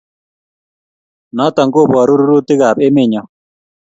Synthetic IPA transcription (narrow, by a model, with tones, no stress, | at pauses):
nɔ˦tɔ˨ŋɡo˦˨bɔ˨ɾu˦ɾu˦ɾu˦ti˦ka˨pe˦me˦˨ɲɔ˨